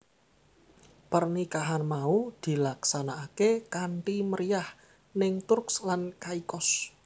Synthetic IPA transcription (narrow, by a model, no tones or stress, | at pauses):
pərnikaɦanmaud̪̥i̤laksanaːkekaɳʈiməɾijah | nɪŋt̪ʊrkslankaikɔs